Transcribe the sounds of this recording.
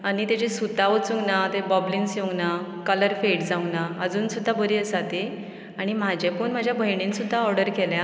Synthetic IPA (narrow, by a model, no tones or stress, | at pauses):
aɽ̃it̪ed͡ʑesut̪aʋət͡suɡnat̪ebɔblinsjõɡnakələɾfeʈd͡zaũnaəd͡zuːnsud̪ʱːabəɾiːəsat̪e | aɽ̃im̤ad͡ʑepuɳm̤ad͡ʑʱjabʱəjɳinsud̪ʱːaɔɾɖəɾkɛljã